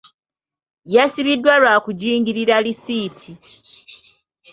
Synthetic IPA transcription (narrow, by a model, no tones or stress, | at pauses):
jasiβidːwalwaːkuɟiːŋɡiɾiɾalisiːtʰi